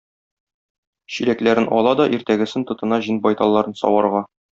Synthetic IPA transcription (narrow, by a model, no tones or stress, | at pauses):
ɕiɾæklæɾɘnʔɒ̰lˠɑd̪ɒʔiɾt̪æɡɘ̆sɘnt̪ŏt̪ɤ̆nɑʑinbɒjt̪ɑlˠːɑɾɤnsɒ̰wɑɾʁɑ